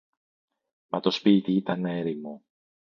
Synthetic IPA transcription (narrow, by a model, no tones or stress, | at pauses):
mɐt̪o̞spit̪iit̪ɐne̞ɾimo